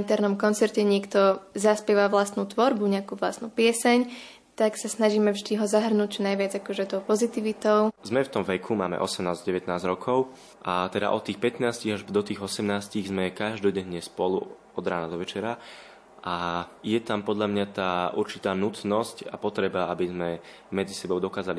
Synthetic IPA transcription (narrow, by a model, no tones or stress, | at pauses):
nt̪ɛɾnɔmkɔnt͡sɛɾcɛɲɪɛkt̪ɔzaspɛʋaʋlast̪nut̪ʋɔɾbuɲɛakuʋlast̪nuːpɪɛsɛɲ | t̪aksasnaʒiːmɛvʒd̪iɦɔzaɦr̩nuc̚t͡ʃɔnajʋɪad͡zakɔʒɛt̪ɔʊpɔzit̪iʋit̪ɔʊzmɛft̪ɔmʋɛkʰuma̰ːmɛ̰ʔɔsɛmnaːzɟɛʋɛt̪naːzɟɾɔkʰɔʊ | ʔat̪ɛd̪a̰ʔɔt̪ːiːxpɛt̪naːsciɣaʒd̪ɔt̪iːɣɔsɛmnaːsciɣzmɛkaʒd̪ɔɟɛɲːɛspɔlṵ | ɔd̪ɾa̰ːnad̪ɔʋɛt͡ʃɛɾa | ajɛt̪ampɔd̪ʎamɲat̪aːuɾt͡ʃit̪aːnut̪nɔsca̰pɔt̪ɾɛbaabizmɛ | mɛd͡zisɛbɔʊd̪ɔkaːzali